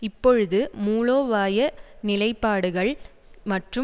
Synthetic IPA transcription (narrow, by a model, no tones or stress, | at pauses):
ɪpːɔɻɯðɯmuːloːʋaːjɐnɪlɐɪpːaːɽɯɣɐɭ | mɐʈrɯ